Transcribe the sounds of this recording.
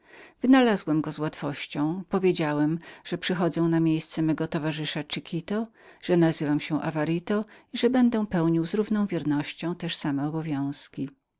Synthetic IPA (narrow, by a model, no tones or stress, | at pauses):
vɘnalazwɛmɡɔzwat̪fɔɕt͡ɕɔ̃w̃pɔvʲjed͡ʑawɛmʐ̥ɛpʂɘxɔd̪zɛ̃w̃namʲjejst̪sɛmɛɡɔt̪ɔvaʐɘʂat͡ʂɘkʲʰit̪ɔ | ʐ̥ɛnazɘvamɕɛ̃ʔa̰vaɾit̪ɔiʐɛbɛnd̪ɛ̃pɛwɲiwzɾuvnɔ̃w̃vʲjɛɾnɔɕt͡ɕɔ̃w̃t̪ɛʂsamɛɔbɔvʲjɔ̃w̃skʲi